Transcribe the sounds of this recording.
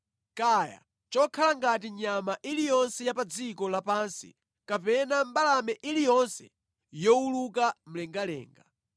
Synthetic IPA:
kaja̰ | t͡ʃɔkʰalaŋɡatiɲamaʔilijɔnsɛjapad͡zikɔlapansḭ | kapɛnambalamɛʔilijɔnsɛ̰ | jɔulukam̩lɛŋɡalɛ̰ːŋɡa

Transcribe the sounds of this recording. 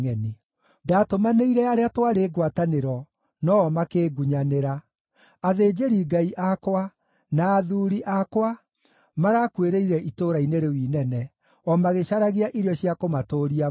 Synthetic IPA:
ŋɛni | daːtomaneiɾɛaɾeatwaɾeːɡwataneɾɔ | nɔːmakeːɡuɲaneɾa | aðeːd͡ʒeɾiːɡaiʔakwa | naːðuɾiʔakwa | maɾakweɾeiɾɛʔitoɾaineɾewiːnɛnɛ | ɔmaɣeɕaɾaɣiaʔiɾeɔɕiakomatoːɾia

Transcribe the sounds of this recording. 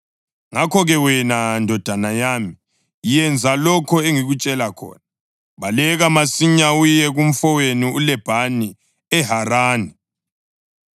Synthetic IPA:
ŋakʰɔɣɛwɛnandʱɔd̥ʱanajaːmi | jɛnd͡zʱalɔkʰɔeŋiɣut͡ʃʼɛlakʰɔ̰ːna | βalɛɣamasiɲaujɛɣum̩fɔweniulɛb̥ʱani | ɛɦaraːni

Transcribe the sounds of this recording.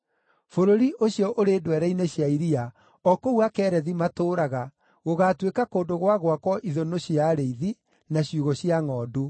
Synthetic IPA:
foɾoɾiʔoɕjɔʔoɾeːdwɛɾaineɕjaiɾia | ɔkouakɛːɾɛðimatoːɾaɣa | ɣoɣatwekakoːndoɣwaɣwakɔʔiðonoɕiaɾeiði | naɕjuɣɔɕiaŋɔːdu

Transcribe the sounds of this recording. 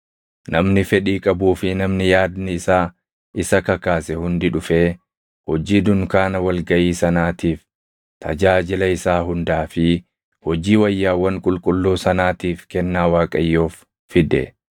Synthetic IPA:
nʔɐmnɪfɛᶑiːkʼɐbuːfɪnɐmnɪjaːd̪nɪɪsaː | ʔɪsɐkɐkaːsɛhʊnd̪ɪᶑʊfeː | hɔd͡ʒiːd̪ʊŋkaːnɐwɐlɡɐʔiːsɐnaːt̪iːf | t̪ʰɐ̰d͡ʒaːd͡ʒɪlɐɪsaːhʊnd̪aːfɪ | hɔd͡ʒiːwɐjːaːwːɐŋkʼʊlkʼʊlːuːsɐnaːt̪iːfkɛnːaːwaːkʼɐjːoːfː | ɪd̪ɛ̰

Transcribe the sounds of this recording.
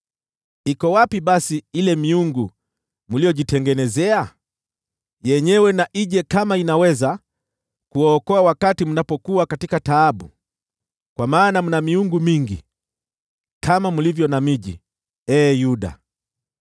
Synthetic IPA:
ikɔwapiɓasiilɛmiuŋɡu | mulijɔʄitɛŋɡɛnɛzɛa | jɛɲɛwɛnaʔiʄɛkamainawɛza | kuwɔːkɔawakatimunapɔkuwakatikataːɓṵ | kwamaːnam̩namiuŋɡumiŋɡḭ | kʰamamulivjɔnamiʄḭ | ɛːjuɗa̰

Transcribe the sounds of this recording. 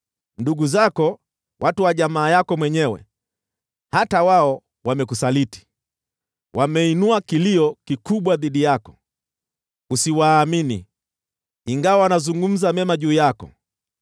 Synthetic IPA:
nduɡuzakɔ | wʔatuwaʄamaːjakɔmwɛɲɛwɛ̰ | hatawaɔ | wamɛk̬usaliti̥ | wʔamɛinuakiliɔkikuɓwaðiɗijakɔ̥ | usiwaːminḭ | iŋɡawawanazuŋɡum̩zamɛmaʄuːjakɔ̰

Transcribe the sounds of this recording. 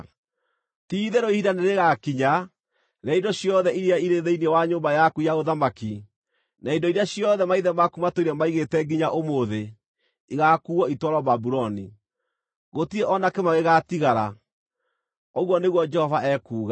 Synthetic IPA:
tiðeɾoihidaneɾeɣakiɲa | ɾaindoɕjɔðɛiɾiaiɾeðeiniɛwaɲoːmbajakuijaɣoðamaki | naindoiɾeaɕijɔðɛmaiðɛmakumatoiɾɛmaiɣetɛɡiɲaʔomoðe | iɣakuːɔitwɔɾɔbabuɾɔni | ɣotiɛʔɔnakemaweɣatiɣaɾa̰ | oɣwɔneɣwɔd͡ʒɛhɔvaɛkuːɣa

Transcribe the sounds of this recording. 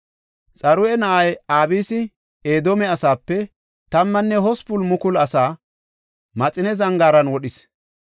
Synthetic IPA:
t͡sʼɐɾʊɛnɐʔɐjaːbiːsɪ | eːd̪ɔmɛɐsaːpːɛ | t̪ɐmːɐnːɛhɔspʊlmʊkʊlɐsaː | mɐt͡sʼɪnɛzɐŋɡaːɾɐnwɔɗɪs

